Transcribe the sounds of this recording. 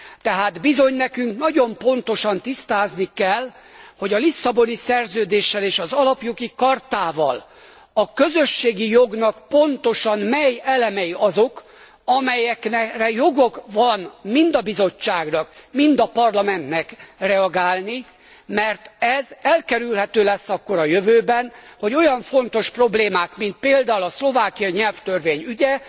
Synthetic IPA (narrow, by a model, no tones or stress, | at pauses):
t̪ɛɦaːd̪bizo̞ɲnɛkyŋknɒɟo̞mpo̞nt̪o̞ʃɒnt̪ist̪aːznikɛl | ho̞ɟɒlisːɒbo̞nisɛrzøːd̪eːʃːɛleːʃɒzɒlɒpjo̞ɡikɒrt̪aːvɒ̰l | ɒkø̞zø̞ʃːeːɡijo̞ɡnɒkpo̞nt̪o̞ʃɒnmɛjɛlɛmɛjiɒzo̞k | ɒmɛjɛknɛrɛjo̞ɡo̞kvɒnmind̪ɒbizo̞t͡ʃːaːɡnɒkmind̪ɒpɒrlɒmɛnt̪nɛkrɛɒɡaːlni | mɛrt̪ɛzɛlkɛɾylɦɛt̪øːlɛsːɒkːo̞ɾɒjøvøːbɛnho̞ɟo̞jɒɱfo̞nt̪o̞ʃpro̞bleːmaːkmint̪̚peːld̪aːulɒslo̞vaːkiɒiɲɛlft̪ørveːɲyɟɛ